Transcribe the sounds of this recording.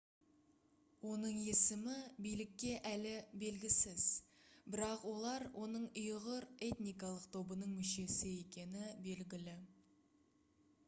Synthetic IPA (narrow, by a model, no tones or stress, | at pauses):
wo̞nəɴe̞sɪmɪbijlɪkʲːe̞ʔælɪbe̞lɡʲɪsɪz̥bɪɾɑqwo̞lˠɑɾwʔo̞nəɴʊjʁəɾe̞t̪nijkɑlˠəqt̪ʰo̞bənəɴmʏʃe̞sɪe̞kʲe̞nɪbe̞lɡʲɪlɪ